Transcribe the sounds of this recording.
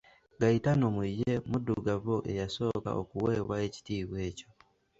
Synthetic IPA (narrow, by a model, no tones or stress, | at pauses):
ɡaitanomuijemuduɡavoʔe̞̰jaso̞ːka̰ʔo̰kuweːβwae̞ci̥tiːβweːco̞